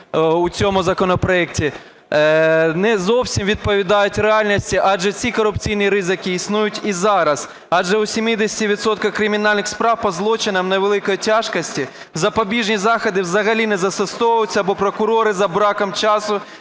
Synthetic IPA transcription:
ut͡sʲɔmʊzɐkɔnɔpɾɔɛk̚tʲi | nɛzɔwsʲimʋʲid̪̚pɔʋʲid̪ɑjʊtʲɾeɑlʲnʲisʲtʲiʔɑʒɛt͡sʲikɔɾʊpt͡sʲijnʲiɾɪzɪkɪːsnujʊtʲizɑɾɐz̥ | ɑʒɛʊsʲimid̪esʲtʲiʋʲit̪sɔt̪kɐkɾɪmʲinɑlʲnɪxspɾɑwpɔzlˠɔt͡ʃɪnɐmnɐʋelˠɪkɔjitʲɑʃkɔsʲtʲi | zɐpɔbʲiʒnʲizɑxɔd̪ɪwzɐɦɐlʲinɛzɐsest̪ɔjʊt͡sʲːɐbɔpɾɔkʊɾɔɾɪzɐbɾɑkɐmt͡ʃɑsʊ

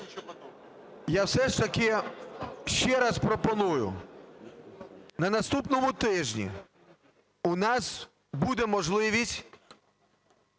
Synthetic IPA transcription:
jawsɛʃt̪ɐkɪ | ʃt͡ʃɛɾɑspɾɔpɔnujʊ̰ | nɐnɐst̪upnɔmʊt̪ɪʒnʲḭ | ʊnɑs | bud̪ɛmɔʒlˠɪʋʲisʲtʲ

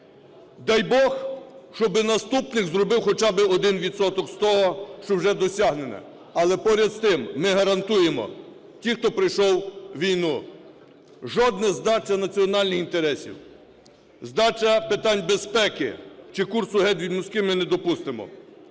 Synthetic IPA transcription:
d̪ɑjbɔxʃt͡ʃɔbɪnɐst̪upnɪkzrɔbɪwxɔt͡ʃɑbɪɔd̪ɪnʋʲid̪sɔt̪ɔkst̪ɔɦɔʃt͡ʃɔwʒɛd̪ɔsʲɑɦnenɛ̰ | ɐlˠɛpɔɾʲɐd̪st̪ɪmːɪɦɐɾɐnt̪ujemɔ̰ | tʲixt̪ɔpɾɪjʃɔwʋʲijnu | ʒɔd̪nɐzd̪ɑt͡ʃɐnɐt͡sʲiɔnɑlʲnɪxint̪eɾɛsʲḭw | zd̪ɑt͡ʃɐpɪt̪ɑnʲbespɛkɪ̰t͡ʃɪkursʊɦɛd̪ʋʲid̪mʊsʲkɪmɪnɛd̪ɔpust̪ɪmɔ̰

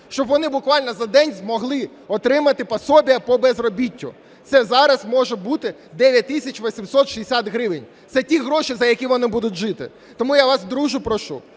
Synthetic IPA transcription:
ʃt͡ʃɔbʋɔnɪbʊkʋɑlʲnɔzɐd̪ɛnʲzmɔɦlˠɪ | ɔt̪ɾɪmɐt̪ɪpɐsɔbʲijɐpɔbɛzrɔbʲitʲːʊ̰ | t̪sɛzɑɾɐzmɔʒɛbut̪ɪd̪ɛʋʲjɐt̚ʲt̪ːɪsʲɐt͡ʃʋɔsʲimsɔt̪ʃiesʲat̪ɦɾɪʋɪnʲ | t̪sɛtʲiɦɾɔʃizɐjɐkʲiʋɔnɪbud̪ʊt̚ʲʒɪt̪ɪ̰ | t̪ɔmujaʋɑsd̪ɾuʒʊpɾɔʃṵ

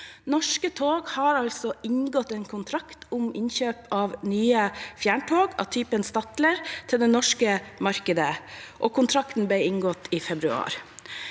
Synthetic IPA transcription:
nɔʂkət̪ʰoːɡhɑːɾɑlsɔɪŋɡɔt̪eːnkʰʊnt̪ʰɾɑkt̪ʰʊmɪnçøːpʰɑːʋnyːəfjæːɳʈʰoːɡɑ̰t̪ʰyːpənst̪ɑt̪ləɾt̪ʰɪld̪ɛnɔʂkəmɑɾkəd̪əʔoːkʰʊnt̪ʰɾɑkt̪n̩b̪æɪɪŋɡɔt̪iːfɛbɾʉɑ̰ːɾ

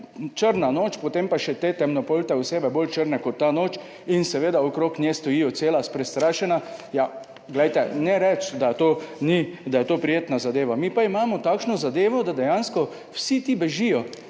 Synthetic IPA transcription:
t͡ʃəɾnanoːt͡ʃpɔt̪empaʃɛt̪eːt̪ɛmnɔpolt̪ɛuseːbɛbolt͡ʃəɾnɛkɔt̪ːanoːt͡ʃ | insɛʋeːd̪aokɾoknʲjest̪ɔjijɔt̪seːlaspɾɛst̪ɾaːʃɛnaja | ɡlɛjt̪ɛnɛɾɛt͡ʃd̪at̪oːnid̪ajɛt̪oːpɾijeːt̪nazad̪eːʋamipaimaːmɔt̪aːkʃnɔzad̪eːʋɔd̪ad̪ɛjanskɔ | wsit̪ibɛʒijɔ

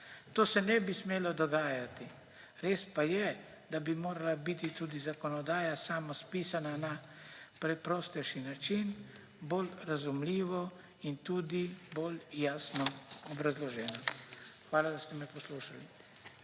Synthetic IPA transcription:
t̪oːsɛnɛbismeːlɔd̪ɔɡaːjat̪i | ɾeːspajɛ | d̪abimoːɾalabit̪it̪uːd̪izakɔnɔd̪aːjasaːmɔspiːsanana | pɾɛpɾɔːst̪ɛʃinat͡ʃin | bolɾazumliːʋɔ | int̪uːd̪iboːljaːsnɔɔbɾazlɔʒɛːnaxʋaːlad̪ast̪ɛmɛpɔsluːʃali

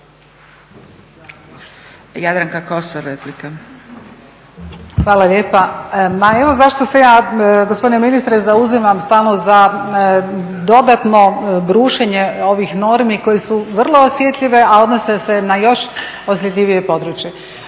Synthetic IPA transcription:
jad̪ɾaŋkakosoɾeplika | xʋaːlaʎʲeːpamae̞ʋo̞zaʃt̪osejaːɡospd̪ineminist̪ɾezauzimamst̪aːlˠnoza | d̪o̞d̪at̪no̞bɾuːʃeɲe̞o̞ʋixno̞ɾmiko̞jesuʋrlˠo̞ːsjet̪ʎʲiʋe̞ao̞d̪nosese̞najo̞ʃosjet̪lʲiʋije̞po̞d̪ɾut͡ɕje

